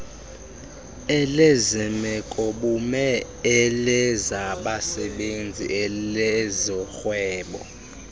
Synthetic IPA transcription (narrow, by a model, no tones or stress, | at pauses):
ɛlezɛmɛkʼɔɓumɛ | ɛlɛzaɓasɛɓend͡zʱḭʔɛlɛzɔxwɛːɓɔ